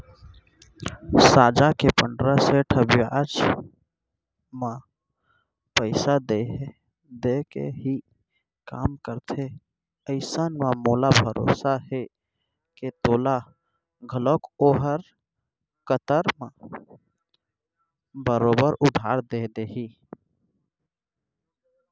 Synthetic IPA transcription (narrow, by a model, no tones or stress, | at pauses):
sad͡ʒakepəɳɖɾəseʈʰəbijad͡ʒ | mã | pəɪsad̪e | d̪ekḛɦi | ka̰mkəɾt̪ʰe | əɪsənmamolabʱəɾo̰saɦe | ket̪oːla | ɡʱəlokoːɦəɾ | kət̪əɾmã | bəɾobəɾʊd̪ʱaɾd̪ed̪eɦi